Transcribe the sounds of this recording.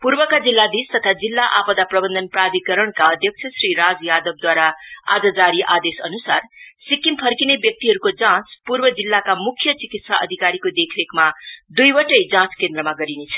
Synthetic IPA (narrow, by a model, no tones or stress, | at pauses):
purbʌkad͡zilːad̪ist̪ʌt̪ʰad͡zilːaʔapʌd̪aprʌbʌnd̪ʱʌnprad̪ʱikʌɾʌɳkaʌd̪ʱjʌk̚t͡sʰʌsriɾad͡zjad̪ʌb̚d̪waɾaa̰d͡zʌd͡zaɾiʔad̪esʌnusarsikimpʰʌrkinebjʌk̚t̪iɦʌɾukod͡zãt͡spurbʌd͡zilːakamukʰjʌt͡sikit̪saʔʌ̰d̪ʱikaɾikod̪ekʰɾekmad̪ujbʌʈʌjd͡zãt͡skend̪rʌmaɡʌɾinet͡sʰʌ̥